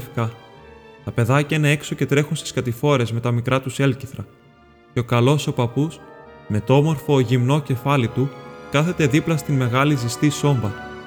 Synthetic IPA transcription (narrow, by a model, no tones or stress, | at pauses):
fkɐ | t̪ɐpe̞ðɐcɐine̞e̞kso̞ce̞t̪ɾe̞xunst̪i̥skɐt̪ifo̞ɾe̞zme̞t̪ɐmikɾʔɐt̪use̞lciθɾɐ | ce̞o̞kɐlo̞so̞pɐpusme̞t̪oomo̞ɾfo̞ʝimno̞ce̞fɐlit̪ukɐθe̞t̪e̞ðiplɐst̪inme̞ɣɐlizist̪iso̞ɱbɐ